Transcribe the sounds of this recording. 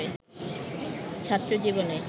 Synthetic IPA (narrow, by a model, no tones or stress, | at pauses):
e | t͡ɕʰat̪ːɾod͡ʑibone